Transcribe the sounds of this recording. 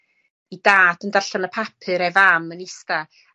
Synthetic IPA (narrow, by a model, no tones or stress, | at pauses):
idaːd̥əndarɬanəpʰapʰɨɾevamənɪsta